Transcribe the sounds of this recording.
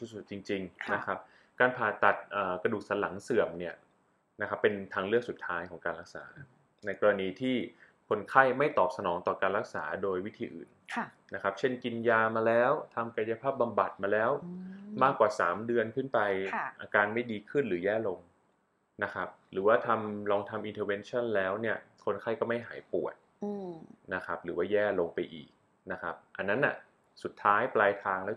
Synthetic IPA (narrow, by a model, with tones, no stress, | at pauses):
u˧˥su˨˩t̪̚t͡ɕi˧ŋt͡ɕi˧ŋna˦˥kʰa˦˥p̚ | kaː˧npʰaː˨˩t̪a˨˩t̪̚ʔəː˨˩kɾa˧duː˨˩k̚sa˩˦nla˩˦ŋsɯ˨˩əmni˥˩ɐ | na˦˥kʰa˦˥pːe˧nt̪ʰaː˧ŋlɯ˥˩ək̚su˨˩t̪ʰaː˦˥jkʰɔː˩˦ŋkaː˧nlɾa˦˥k̚sa̰ː˩˦ | na˧jkɔː˧ɾa˧niː˧t̪ʰiː˥˩ | kʰo˧nkʰa˥˩jma˥˩jt̪ɔː˨˩p̚sa˧nɔː˩˦ŋt̪ɔː˨˩kaː˧nlɾa˦˥k̚sa̰ː˩˦doː˧jwi˦˥t̪ʰiː˧ʔɯ̰ː˨˩nna˦˥kʰa˦˥p̚t͡ɕʰe˥˩nki˧njaː˧maː˧lɛː˦˥wt̪ʰa˧mka˧ja˧pʰaː˥˩p̚ba˧mba˨˩t̪̚maː˧lɛː˦˥wmaː˥˩kːwaː˨˩saː˩˦mdɯ˧ənkʰɯ˥˩npa˧jʔaː˧kaː˧nma˥˩jdiː˧kʰɯ˥˩nɾɯː˩˦jɛː˥˩lo˧ŋ | na˦˥kʰa˦˥p̚ɾɯː˩˦waː˥˩t̪ʰa˧mlɔː˧ŋt̪ʰa˧mʔi˧nt̪ʰɤː˧we˧˥nt͡ɕʰa˥˩nlɛː˦˥wni˥˩ɐkʰo˧nkʰa˥˩jkɔː˥˩ma˥˩jɦa̰ː˩˦jpu˨˩ət̪̚ | na˦˥kʰa˦˥p̚ɾɯː˩˦waː˥˩jɛː˥˩lo˧ŋpa˧jʔḭː˨˩k̚ | na˦˥kʰa˦˥p̚ʔa˧nːa˦˥nʔa̰˨˩ | su˨˩t̪ʰːaː˦˥jplaː˧jt̪ʰaː˧ŋlɛː˦˥